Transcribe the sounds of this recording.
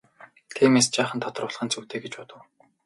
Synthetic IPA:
t̪ʰiːmeːst͡ɕaːχə̆nt̪ʰɔt̪ɞ̆rʊːɮʁ̥χə̆nt͡suːt̪eːɡet͡ɕpɔt̪ə̆w

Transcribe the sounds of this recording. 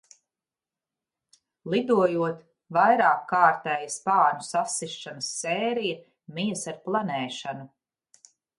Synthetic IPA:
lˠid̪uɔjuɔt̪ | vajɾɑːkːɑːɾt̪ɛːjɐspaːnusasːiʃanəsːɛːɾijɐ | miɛsaɾplˠanɛːʃanu

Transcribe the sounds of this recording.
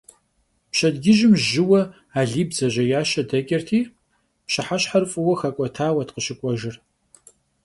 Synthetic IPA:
pɕɐdɡʲɪʒɪmʒɪwɐ | aːɮiːbzɐʑɐjaːʃɐdɐkʲʼɐrtʰiː | pɕɪħaɕħarfʼɨwɐxɐkʷʼɔtʰaːwɐtqəʃɪkʷʼɔʒɪr

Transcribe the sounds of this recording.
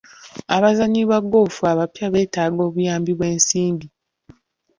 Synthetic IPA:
aβazaɲiβaɡoːfuaβapjaβe̞ːtaːɡo̞ːβujaːmbiβwe̞ːnsiːndi

